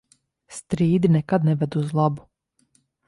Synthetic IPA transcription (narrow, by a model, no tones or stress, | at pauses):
st̪ɾiːd̪inɛkad̪nɛvɛd̪uzlˠabu̥